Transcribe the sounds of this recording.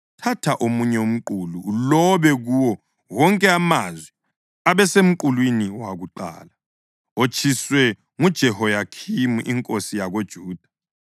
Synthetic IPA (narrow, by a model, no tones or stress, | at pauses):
tʰatʰaʔomuɲɛum̩ǃululɔβɛɣuwɔ | ɣɔŋkʼɛamazwɛ | aβɛsem̩ǃulwiniwaɣuǃa̰ːla | ot͡ʃʰʼiswɛ | ŋud̥ʒ̥ʱɛhɔjakʰimuʔiŋkʼosijaɣod̥ʒ̥ʱuːd̥ʱḁ